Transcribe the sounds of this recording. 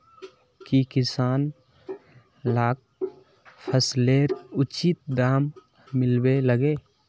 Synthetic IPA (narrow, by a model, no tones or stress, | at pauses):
kikɪsaːn | laːk̚ | pʰəsleːɾʊt͡ʃɪt̪̚d̪aːmː | ɪlbeləɡeː